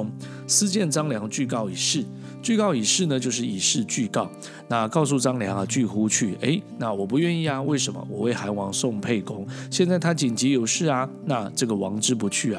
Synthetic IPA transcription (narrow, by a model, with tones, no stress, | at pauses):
ŋ | sɹ̩˥t͡ɕjɛ˥˩nt͡sɑ˥ŋljɑ˧˥ŋt͡ɕy˥˧kɑ˥˩ʊi˨˩ʂɻ̩˥˩ | t͡ɕy˥˧kɑ˥˩ʊi˨˩ʂɻ̩˥˩nə˩t͡ɕjo˥˧ʊʂ̬ɻ̩˥˩˨i˨˩ʂɻ̩˥˧t͡ɕy˥˧kɑ˥˩ʊ | na˥˩kɑ˥˧ʊs̬u˥˩ʈ͡ʂɑ˥ŋljɑ˧˥ŋa˨t͡ɕy˥˩xu˥t͡ɕʰy˥˩e˧˥ɪna˥˩wɔ˨˩p̬u˧˥ɥɛ˥˧ni˥˩ɐ˨we˥˩ɪʂə˧˥nmə̰˧wɔ˨˩we˥˩ɪxa˧˥nwɑ˧˥ŋsʊ˥˧ŋpʰe˥˩ɪkʊ˥ŋɕjɛ˥˧nt͡sa˥˩ɪt̪ʰa˥t͡ɕi˨˩nt͡ɕi˧˥jo˨˩ʊʂɻ̩˥˩ɐ˨na˥˧ʈ͡ʂɤ˥˩ɡə˩wɑ˧˥ŋʈ͡ʂɻ̩˥p̬u˧˥t͡ɕʰy˥˩a˨˩